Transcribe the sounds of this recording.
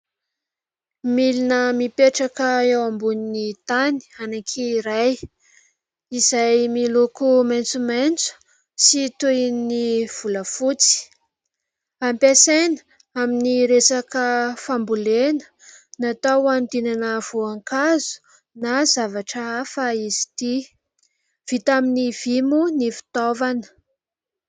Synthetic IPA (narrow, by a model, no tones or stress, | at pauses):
milinəmipeʈ͡ʂakəewambuninit̪ani̥anaŋkʰiːɾaj | izajmilokumajnt͡sumajnt͡su̥ | sit̪ujniv̥uləfut͡si̥ | ampasenə̥ | aminiɾesakəfambulenə̥ | nat̪awand̪inanəv̥oaŋkazu̥ | nazavaʈ͡ʂəafaizi̥t̪i | v̥it̪aminiv̥imunifi̥t̪ovanə̥